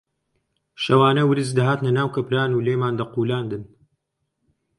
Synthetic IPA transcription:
ʃɐwaːnɐwɨɾɨzd̪ɐɦaːt̪nɐnaːwkɐpɾaːnuːleːjmaːnd̪ɐquːlaːnd̪ɨn

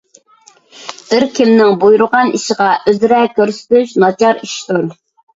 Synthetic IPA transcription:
b̥ɪɾkʲʰimnɪŋbujuɾʊʁɑniʃəʁɑʔøzɾɛkʲøɾsɪ̥t̪yʃnɑt͡ʃʰɑɾiʃt̪uɾ

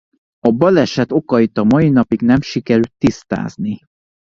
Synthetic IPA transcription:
ɒbɒlɛʃɛt̪o̞kɒit̪ɒmɒin̪ɒpiɡnɛmʃikɛɾylt̪ːist̪a̰ːzni

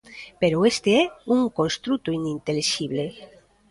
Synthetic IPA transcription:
peɾoest̪eɛuŋkõnst̪ɾut̪oinint̪eliʃiβle

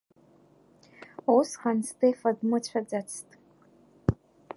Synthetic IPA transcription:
usχanstʰefɐdmɨt͡ɕʷʰad͡zat͡sʰtʼ

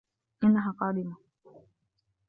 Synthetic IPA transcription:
ʔɪnːaɦaːqɑːd̪ɪma

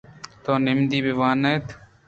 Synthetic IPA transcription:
t̪oːnɪmd̪iːbɪʋaːneːt̪

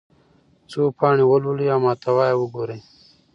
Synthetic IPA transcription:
t͡suːpʰaːɳiwoluliaːmaːt̪awaːjewuɡoːɾeː

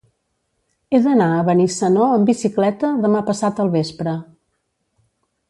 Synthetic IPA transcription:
eðənaəβənisənoəmbisiklɛt̪əðəmapəsat̪əlˠβespɾə

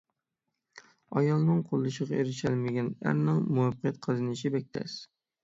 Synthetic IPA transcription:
ɑjɑlˠnɨŋqʰolˠːɨʃəʁɑeɾɪʃælmɪɡʲɛnæ̰ɾnɨŋmuɑpqʰjɛt̪̚qʰəzɨnɨʃɪbɛk̚ʲt̪ʰɛ̰s

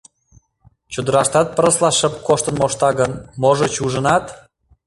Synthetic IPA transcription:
t͡ɕud̪ə̆ɾɑʃt̪ɑt̪̚pə̆ɾəslɑʃə̆p̚koʃt̪ə̆nmoʃt̪ɑɣənmoʒot͡ɕuʒə̆nɑt̪

